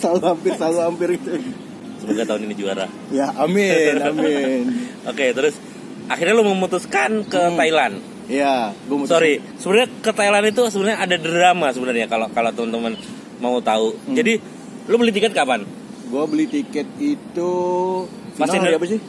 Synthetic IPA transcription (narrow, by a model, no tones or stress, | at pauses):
saluhampɪsaluampɪrɡit̪u | səmaɡat̪aʊninid͡ʒua̰ɾa̰h | jaamɪamɪnoket̪əɾʊs | ʔaxirɲaluməmut̪uskankət̪ailan | jaɡuamsoɾi | səbənarɲakət̪ailanit̪̬usəbənɾɲaːdadəɾamasəbənərɲakalokalot̪əmənt̪əmən | maut̪aud͡ʒadi | lubəlit̪ikɛt̪̚kəapan | ɡuabəlit̪ikɛt̪̚it̪u | sipasainabasɪh